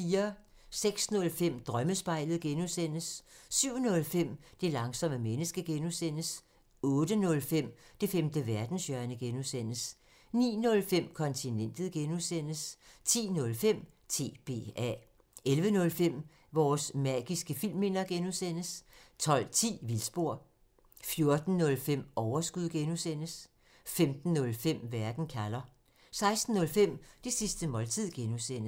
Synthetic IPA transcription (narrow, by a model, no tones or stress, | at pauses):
fiːɐ | seɡ̥snɔ̽lfem̰d̥ʁɶməsb̥ɑ̈ɪ̰ləð̩ˠɡ̥enusen̰əsːyʊ̰nɔ̽lfem̰d̥e̝lɑ̈ŋsɒ̽məmenəsɡ̥əɡ̥enusen̰əs | ɔ̽ːd̥ənɔ̽lfem̰d̥e̝femd̥əʋæɐd̥n̩sjœɐnəɡ̥enusen̰əs | nḭːnɔ̽lfem̰kʰɒ̽nt͡sʰinen̰d̥ð̩ˠɡ̥enusen̰əst͡sʰḭːnɔ̽lfem̰ | t͡sʰe̝̰ːb̥e̝̰ːɛ̰ | elʋənɔ̽lfem̰ | ʋɒːsmæːɡ̥isɡ̥əfil̰me̝nɐɡ̥enusen̰əst͡sʰɒ̽l̰t͡sʰḭːʋilsb̥o̝ɐ̰ | fjo̝ɐd̥n̩ːɔ̽lfem̰ɒʊɐsɡ̥uð̰ˠɡ̥enusen̰əs | femd̥n̩ːɔ̽lfem̰ʋæɐɡ̥n̩kʰælɐ | sɑ̈ɪsd̥n̩ːɔ̽lfem̰d̥esisd̥əmɒ̽lt͡sʰið̰ˠɡ̥enusen̰